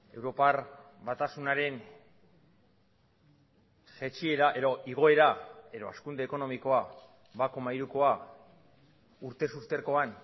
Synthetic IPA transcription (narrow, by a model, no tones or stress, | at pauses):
e̞wɾo̞par | βat̪asunaɾe̞n | ʝe̞t͡ʃie̞ɾaʔe̞ðo̞ʔiɣ̞o̞e̞ɾae̞ðo̞a̰skund̪e̞ːko̞no̞miko̞a | βakomajɾuko̞a | uɾt̪e̞sust̪e̞ɾko̞an